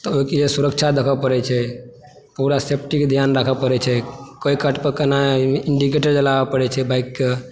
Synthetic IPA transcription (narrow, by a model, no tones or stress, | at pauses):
t̪ɔoiked͡ʒesuɾəkt͡ʃʰad̪ekʰəpəɾɛt͡ʃʰɛ | puɾasep̚ʰʈiked̪ʱjanɾakʰəpəɾɛt͡ʃʰɛkəikəʈpəkənaiɳɖikeʈəɾd͡ʒəlabepəɾɛt͡ʃʰɛbaikːe